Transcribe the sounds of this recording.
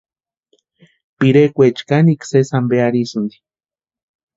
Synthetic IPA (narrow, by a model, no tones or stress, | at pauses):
piɾekʷet͡ʃkaniksesambeaɾisɨnd̪i̥